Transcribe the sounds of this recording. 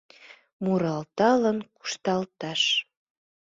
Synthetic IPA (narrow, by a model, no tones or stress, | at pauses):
muɾɑlt̪ɑlənku̥ʃt̪ɑlt̪ɑʃ